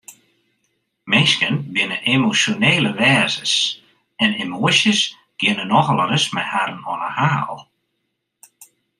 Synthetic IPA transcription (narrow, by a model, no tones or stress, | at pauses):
mɪskənbɪnəʔemosjoneːləʋɛːzəs | ɛnemoəsjəs | ɡ̥ɪənənɔxəlˠərəsmɛhaɾənɔ̰nəhaːlˠ